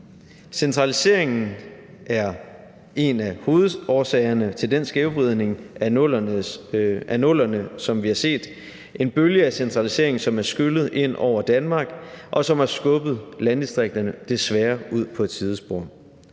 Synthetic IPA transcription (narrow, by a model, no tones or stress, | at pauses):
sent͡sʰʁɑ̈lise̝ɐ̰e̝ŋn̩ | ʔæɐ | e̝næho̝ːð̩ˠɒːsɛːɪɐnət͡sʰe̝ld̥ensɡ̥ɛʊb̥ʁiðˠne̝ŋælɐ | ʔænɔlɐnəsɒ̽mʋihɑ̈se̝̰ːd̥ | e̝nb̥øljəæsent͡sʰʁɑ̈lise̝ɐeŋn̩sɒ̽mæɐsɡ̥ylð̞̩ˠʔe̝n̰ɒ̰ʊ̰ɐd̥ænmɑ̈ːɡ̥ʔɒ̽sɒ̽mhæɐsɡ̥ɔ̽b̥ð̞̩ˠlænd̥isd̥ʁeɡ̥̚d̥ɐnəd̥e̝sʋæːɐuð̰ˠpʰɒ̽t͡sʰið̞ˠəsb̥oɐ̰